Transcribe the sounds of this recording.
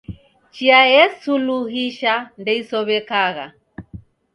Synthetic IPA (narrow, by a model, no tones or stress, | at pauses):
t͡ʃiajɛsuluɦiʃandɛisɔβɛkaɣa̰